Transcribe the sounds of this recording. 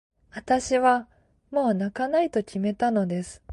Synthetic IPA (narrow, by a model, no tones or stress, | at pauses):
βat̪aɕiβa | mo̞ːnakanait̪o̞kʲime̞t̪ano̞d̪e̞sɨ̥